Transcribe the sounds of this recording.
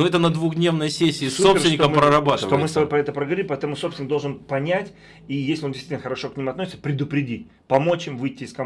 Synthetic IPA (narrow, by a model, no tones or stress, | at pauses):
nuɛt̪ənəd̪vuɣd̪ʲnʲe̞vnəjsʲesʲːɪːsopsʲsʲɪnʲɪt̪kəmpɾəɾɐbat̪ʂɨvt̪oɨst̪ɐbojpɾɐɛt̪əpɾəɡəvɐɾilʲmʲpɐɛt̪əmʊsopsʲɪnəd̪olˠʐɨnpɐnʲætʲ | ijesʲlʲɪodʲɪsitʲɪlnəxəɾɐʂo̞knʲimuɐt̪no̞sʲɪt̪sə̥pɾʲɪd̪ʊpɾʲɪdʲi | pɐmo̞t͡ɕɪmvɨjtʲːɪːskɐ